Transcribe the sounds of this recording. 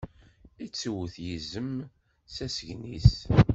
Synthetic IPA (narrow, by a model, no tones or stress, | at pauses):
it͡sːwθjizəm | sæsəʝnis